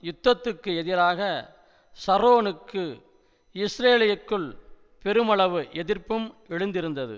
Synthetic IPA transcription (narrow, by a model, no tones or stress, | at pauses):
jʊt̪ːɐt̪ːɯkːɯɛðɪɾaːɣɐ | sɐɾoːnɯkːɯ | ɪsɾeːlɪjɐkːɯɭ | pɛɾɯmɐɭɐʋɯʔɛðɪrpːɯmɛɻɯnd̪ɪɾɯnd̪ɐðɯ̰